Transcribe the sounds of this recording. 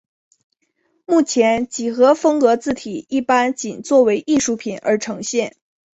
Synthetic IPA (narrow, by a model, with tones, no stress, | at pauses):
mu˥˩t͡ɕʰjɛ˧˥nt͡ɕi˨˩xɤ˧˥fɤ˥ŋkɤ˧˥t͡sɹ̩˥˩t̪ʰi˨˩i˥˩pa˥nt͡ɕi˨˩nt͡swɔ˥˩we˧˥ɪʔi˥˧ʂu˥˩pʰi˨˩˦nʔə̰˞˧˥ʈ͡ʂʰɤ˧˥ŋɕjɛ˥˩n